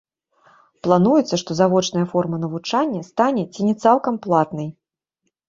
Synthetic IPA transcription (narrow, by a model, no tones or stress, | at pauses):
plˠanujɛt̪sːɐʂt̪ɔzavɔt͡ʂnɐjɐfɔrmɐnɐvut͡ʂanʲːɐst̪anʲɛt͡sʲinʲɛt̪salˠkɐmplˠat̪nɨj